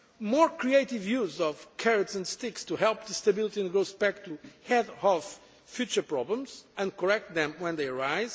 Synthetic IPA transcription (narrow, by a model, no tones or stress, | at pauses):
mɔɹkɹieɪt̪ivjuzɔv̥kʰɛɹɨtsɨ̃ndst̪ɪkst̪uhɛlˠp̚ðɨst̪ɐbilˠit̪iɨ̃nɡɹosbɛk̚t̪ʰuhɛdɔf | fjut͡ʃə˞pɹɔblə̃mzɨ̃nkɔɹɛk̚t̪̚ðɛ̃mwɛ̃nd̪eɪəɹaɪz̥